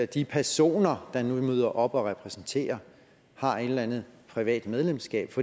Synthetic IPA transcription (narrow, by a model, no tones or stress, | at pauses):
d̥ipʰæɐso̝̰ːnɐd̥ɑ̈numyðˠɐʔɒ̽b̥ɒ̽ʁɛpʰʁɛsn̩t͡sʰe̝̰ːɐ | hɑ̈e̝d̥lænð̩ˠpʰʁiʋɛ̰ːd̥með̞ˠlemsɡ̥ɛ̰ːb̥fɒ̥̽